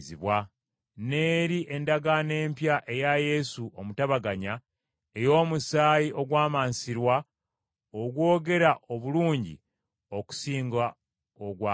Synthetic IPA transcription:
ziβwa | ne̞ːɾiʔe̞ndaɡane̞ːmpjaʔe̞jaje̞suʔo̞mutaβaɡaɲa | e̞jo̞ːmusaːjiʔo̞ɡwaːmaːnsiɾwa | oɡwo̞ːɡe̞ɾaʔo̞βuluːɲɟḭ | o̞ku̥siːŋɡa | oɡwa

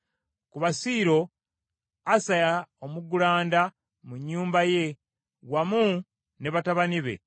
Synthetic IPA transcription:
kuβasiːɾo̞ | asajaomuɡulaːnda | muɲːuːmbaje̞ | wamu | ne̞βataβaniβe̞̰

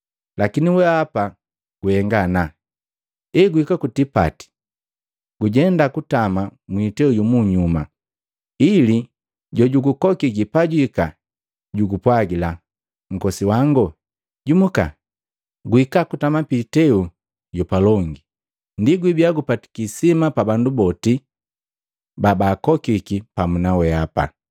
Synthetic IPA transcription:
lakiniwɛapa | ɡ̥uhɛŋɡana | ɛɡuikakutipa̰ti̥ | ɡ̥uɟɛndakutamamwitɛuɟumuɲuma̰ | ili | ɟɔɟuɡukɔkiɡipaɟuika | ɟuɡupwaɡila | ŋ̩kɔsiwaŋɡɔ | ɟumuka̰ | ɡuikakutamapitɛu | ɟɔpalɔŋɡi | ndiɡwibiaɡupati̥kisimapabandubɔti | babaːkɔkikipamunawɛapa̰

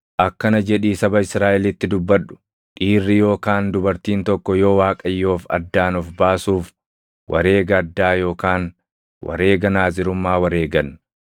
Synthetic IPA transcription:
ʔɐkːɐnɐd͡ʒɛᶑiːsɐbɐɪsɾaːʔɛlɪt̪ːɪd̪ʊbːɐᶑʊ̥ | ᶑiːrːɪjo̞ːkaːnd̪ʊbɐɾt̪iːnt̪ɔkːɔjo̞ːwaːkʼɐjːo̞ːfɐ̰d̪ːaːnɔfbaːsuːf | wʔɐ̰ɾe̞ːɡɐːd̪ːaːjo̞ːkaːn | wɐ̰ɾe̞ːɡɐnaːzɪɾʊmːaːwɐɾe̞ːɡɐn

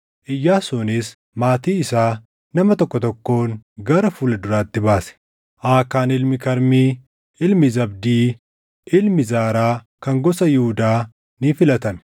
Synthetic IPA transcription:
ʔɪjːaːsʊnɪs | maːt̪iːɪsaː | nɐmɐt̪ɔkːɔt̪ɔkːo̞ːŋɡɐɾɐfuːlɐd̪ʊɾaːt̪ːɪbaːsɛ̥ | ʔaːkaːnɪlmɪkɐɾmiː | ɪlmɪzɐb̚d̪iː | ɪlmɪzaːɾaː | kɐŋɡɔsɐjɪhʊd̪aː | nɪfɪlɐt̪ɐn

